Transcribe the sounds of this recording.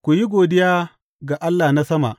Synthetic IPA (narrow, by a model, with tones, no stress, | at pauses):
kʷu˨ji˦ɡʷoː˨dɪ˦jaː˦ | ɡa˨ʔa˦lːaː˨na˦sɐ˦ma̰˨ʔ